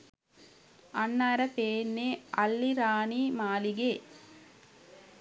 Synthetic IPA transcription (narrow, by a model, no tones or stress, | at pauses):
ɐnːaːɾɐpeːnːeːɐlːiɾaːniːmaːliɡeː